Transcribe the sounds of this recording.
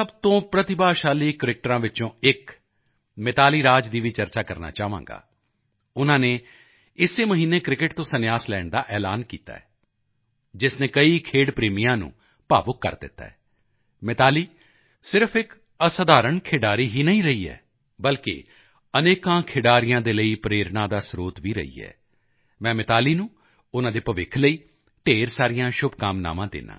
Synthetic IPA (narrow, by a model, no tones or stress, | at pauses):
səbt̪õːpɾət̪ɪbaːʃaːliːkəɾɪk̚ʈɾãːʋɪt͡ʃõːɪk | mɪt̪aːliːɾaːd͡ʒd̪iːʋiːt͡ʃəɾt͡ʃaːkəɾna̰ːt͡ʃaːʋã̰ːŋɡa̰ː | ʊnãːneː | ɪsːeːməɦiːneːkɾɪkɪʈt̪õːsənɪjaːslɛːɳd̪aːʔɛːla̰ːnkḭːt̪a̰ːɛ̰ː | d͡ʒɪsnẽːkəiːkʰeːɽpɾeːmijãːnṵ̃ː | pa̰ːʋʊkːə̰ɾd̪ɪ̰t̪ːa̰ːɛː | mɪt̪aːliː | sɪɾəpʰɪk | əsəd̪aːɾəɳkʰeːɖaːɾiːɦiːnəĩːɾəiːɛ̰ː | bəlkḛː | əneːkãːkʰeːɖaːɾɪijãːd̪eːləiːpɾeːɾnãːd̪aːsɾoːt̪ʋiːɾə̰ḭːɛ̰ː | mɛ̃ːmɪt̪aːliːnũː | ʊnãːd̪eːpəʋɪkʰləiː | ʈeːɾsaːɾɪjãːʃʊbkaːmna̰ːʋãːd̪ɪ̰ːnã̰ː